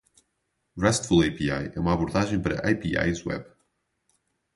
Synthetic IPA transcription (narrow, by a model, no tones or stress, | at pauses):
rɛst̪fulˠajpiajɛ̰umaβuɾðaʒẽj̃pɐɾɐ̰ʔajpia̰jzwɛ̰β